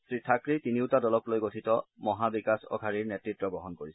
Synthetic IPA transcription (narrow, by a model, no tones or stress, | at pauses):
sɹitʰakɹitiniʊtadɔlɔklojɡotʰitɔmɔɦabikasɔ̰ɡʰʱaɹiɹnɛtɹitɹɔbɔɦɔnkoɹis